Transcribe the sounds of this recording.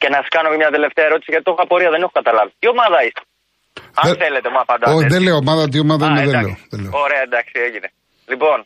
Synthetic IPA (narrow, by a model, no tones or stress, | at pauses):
ce̞nɐsɐ̥skɐnomemɲɐt̪ele̞ft̪eɐeɾo̞t̪i̥siʝɐt̪it̪o̞xoɐpoɾiɐðe̞nexokɐt̪ɐlɐvit̪io̞mɐðɐist̪e̥ | ɐðθele̞t̪emuɐpɐnd̪ɐsoçðeleoːmɐðɐt̪̬iomɐðɐimeðeleoðeleoɾeɐend̪ɐksieʝine | lipo̞n